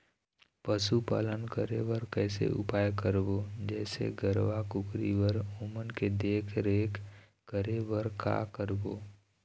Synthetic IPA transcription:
pəsupa̰ːlənkəɾeʋəɾkɛːsḛʔʊ̰paːjkəɾbod͡ʒɛːsḛɡəɾʋakʊkɾiʋəɾʊmənked̪eːkʰɾeːk | kəɾeʋəɾka̰kəɾboː

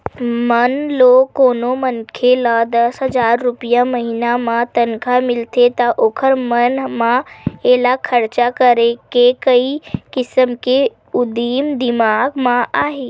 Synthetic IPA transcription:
mənloːkːoːnomənkʰelad̪əsɦəzaːɾːʊpijaməɦinamãt̪ənkʰamɪlt̪ʰet̪aʔoːkʰəɾmənmãeːlakʰəɾt͡ʃakəɾekekəikɪsəmke | ʊd̪iːmd̪ɪmaːɡmãʔaːɦeː

